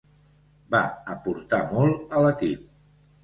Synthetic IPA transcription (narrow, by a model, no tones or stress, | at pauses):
ba̰əpuɾt̪amɔlˠələkip̚